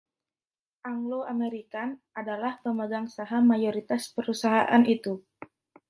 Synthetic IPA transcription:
ʔaŋloameɾikan | adalahpəməɡaŋsaɦamajoɾit̪aspəɾusaɦaʔanit̪u

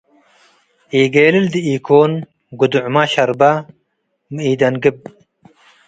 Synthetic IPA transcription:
eːɡeːlɪld̪iiːkʰoːn | ɡud̪uʕmaɕɐɾba | miːd̪ɐnɡɨb̚

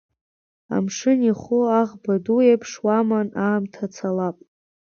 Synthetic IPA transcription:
a̰mʂɨniχʊaʁbaduepʰʂwamanaːmtʰat͡sʰalapʼ

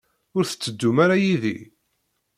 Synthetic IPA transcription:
ʊɾθə̥t͡sːəd̪ːumaɾajiðḭ

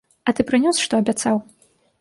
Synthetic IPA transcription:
ɐt̪ɨpɾɨnʲɔsʂt̪ɔɐbʲat̪saw

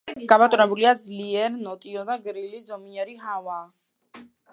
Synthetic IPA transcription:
ɡ̥amat̪ʼnɛbuliad̪zliɛɾnɔt̪ʼiɔd̪aɡɾilizɔmiɛɾiɦavaː

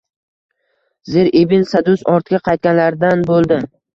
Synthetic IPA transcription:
ze̞ɾebɪnsad̪ʊsɒɾt̪ʰɪɡʲaqʰɑjt̪̚kʲanlaɾd̪anbolˠd̪ɪ

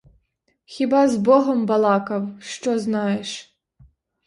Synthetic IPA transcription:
xʲibɑzbɔɦɔmbɐlˠɑkɐwʃt͡ʃɔznɑjeʃ

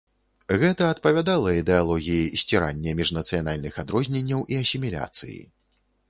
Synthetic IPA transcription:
ɣɛt̪ɐɐt̪̚pɐvʲad̪alˠɐid̪ɛalˠɔɣʲijisʲt͡sʲɛɾanʲːɛmʲiʐnɐt̪sɨjanalʲnɨxad̪ɾɔzʲnʲenʲːɐwʔiɐsʲimʲilʲa̰t̪sɨ̰jḭ

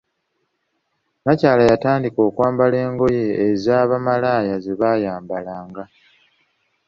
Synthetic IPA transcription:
macaːlajataːndiko̞ːkwaːmbale̞ːŋɡo̞je̞ːzaːβamalaːjazeβajaːmbalaːŋɡa

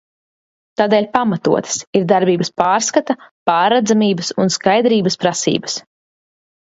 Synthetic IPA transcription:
t̪aːd̪eːlʲpamat̪uɔt̪ʰə̥siɾd̪aɾbiːbɐspaːɾskat̪apaːɾɛd̪zamiːbəsunskajd̪ɾiːbɐspɾasḭːbɐs

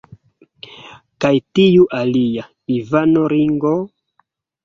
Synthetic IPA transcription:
kajtijuʔalija | ivanoɾiŋɡo

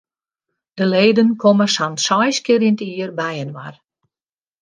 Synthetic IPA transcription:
d̥əleːdənkʰɔməsansɔjskɪɾintiərbɛjənʋa̰r

